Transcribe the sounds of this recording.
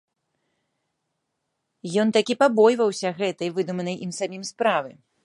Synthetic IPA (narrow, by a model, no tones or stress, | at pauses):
jɔnt̪akʲipabɔjvɐwsʲɐɣɛt̪ɐjvɨd̪umɐnɐjʔimsamʲimspɾavɨ